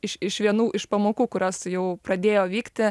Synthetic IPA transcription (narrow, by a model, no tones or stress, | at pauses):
ɪʃɪʃʋʲiɛnuːʔɪʃpɐmoːkuːkʊɾʲɐsjɛʊpɾɐd̪ʲeːjoːʋʲiːkt̪ʲɪ